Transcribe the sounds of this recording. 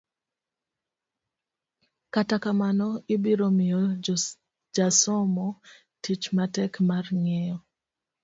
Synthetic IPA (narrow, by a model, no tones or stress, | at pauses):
katakamanɔɪbiɾomijɔ | d͡ʒasɔmɔ | tit͡ʃmatɛkmarŋɛjɔ